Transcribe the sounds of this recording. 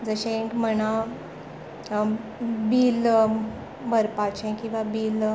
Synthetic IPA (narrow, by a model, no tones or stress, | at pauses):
d͡zəɕekməna | biːl | bʱəɾpat͡ɕẽkĩw̃ʋabiːl